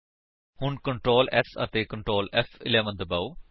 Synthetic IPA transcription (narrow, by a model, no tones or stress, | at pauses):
hʊɳkəɳʈɾoːlɛ̰sə̰t̪eːkə̃ɳʈɾoːlɛfɪ̰lɛːʋə̃nd̪əbaːuː